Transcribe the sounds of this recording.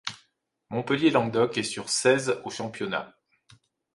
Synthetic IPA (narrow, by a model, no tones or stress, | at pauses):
mɔ̃pəljelɑ̃ɡ̚d̪ɔkɛsyʁsɛzoʃɑ̃pjɔna̰